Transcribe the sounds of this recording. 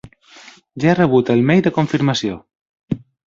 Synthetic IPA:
ʒaerəβ̞ut̪əlˠmɛjðəkuɱfiɾməsio

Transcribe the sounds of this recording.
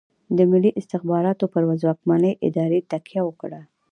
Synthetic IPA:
d̪əmɪlːiʔɪst̪ɪxbɑɾɑt̪opəɾwazwɑkmanəjʔɪ̰d̪ɑɾet̪akjawəkɽa

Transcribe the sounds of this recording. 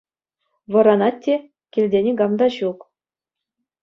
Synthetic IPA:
ʋɤ̆ɾɑnɑtʲːe | kʲilʲdʲenʲeɡɑmd̪ɑɕuk

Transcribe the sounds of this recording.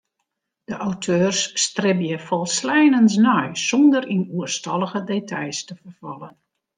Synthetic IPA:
d̥əʔawtʰøːrsːtrɪbjəfɔlˠslɛjnəns̬nɔjsɔndərinuərstɑlˠəɣədetʰɑjstəfərvɑlˠən

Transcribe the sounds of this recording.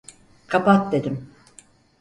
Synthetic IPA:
kʰapat̪̚d̪e̞d̪im

